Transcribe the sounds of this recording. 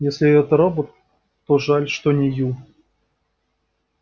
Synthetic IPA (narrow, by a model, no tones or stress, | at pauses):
jesʲlʲɪɛt̪əɾobot̪ː | oʐalʲʂt̪onʲɪju